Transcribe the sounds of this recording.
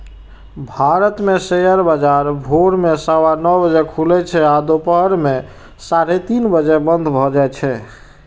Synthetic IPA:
bʱaɾət̪mesejəɾbəd͡ʒaɾbʱoɽmesəwanɔbəd͡ʒekʰulɛt͡ʃʰɛad̪opəɦɾme | saɾet̪inbəd͡ʒebənd̪ʱbʱɔd͡ʒaet͡ʃʰɛ

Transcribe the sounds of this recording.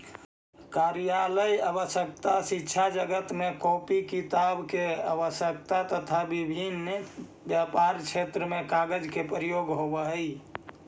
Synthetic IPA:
kaɾjaləjabəsjək̚t̪asitːt͡ʃʰad͡ʒəɡət̪mekɔpikit̪abkeabəsək̚t̪at̪ət̪ʰabibʱin | bjapaɾt͡ʃʰet̪ɾəmekaɡəd͡ʒkepɾəjoɡɦobəɦəj

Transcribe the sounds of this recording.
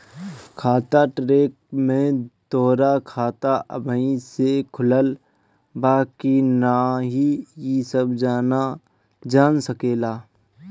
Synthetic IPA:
kʰaːt̪aʈɾeːk̚mẽd̪̥ɔːɾakʰaːt̪aʔə̰bʱəĩsekʰʊləl | baːkinaɦijisəbd͡ʒaːna | d͡ʒaːnsəkeːlaː

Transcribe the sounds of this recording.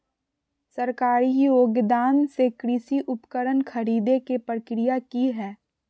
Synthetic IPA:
səɾkaːɾijoːɡd̪aːnsekɾɪsiʔʊpkəɾənkʰəɾiːd̪ekepɾəkɾɪjakiɦɛː

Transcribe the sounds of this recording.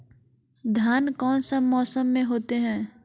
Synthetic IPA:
d̪ʱjaːnkɔːnsəmːɔːsəmːẽɦoːt̪eɦɛ̃ː

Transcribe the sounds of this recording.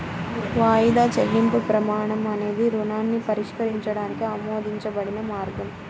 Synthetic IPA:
ʋaːjid̪aːt͡ʃelːimpupɾɐmaːɳɐmɐne̞ːd̪iɾunaːnːipɐɾiʂkɐɾiɲt͡ʃɐɽaːnikiɐmoːd̪iɲt͡ʃɐbɐɽinɐmaːɾɡɐm

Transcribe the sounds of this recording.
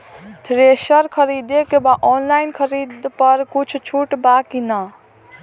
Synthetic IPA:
t̪ʰɾesəɾkʰəɾid̪ekebaʔɔnlainkʰəɾid̪pəɾkut͡ʃʰt͡ʃʰuʈbakinə

